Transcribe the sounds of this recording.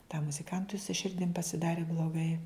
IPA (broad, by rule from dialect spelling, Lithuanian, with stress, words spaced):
tɐm mʊzʲɪˈkɐntʊɪ sʊ ˈʃʲɪrʲdʲɪm pɐsʲɪˈdɑːrʲɪ blˠoːˈɡɐɪ